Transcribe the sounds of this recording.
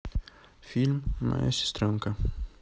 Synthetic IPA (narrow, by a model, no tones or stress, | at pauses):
filmmʔa̰ɛ̰sst̪ɾõŋkɐ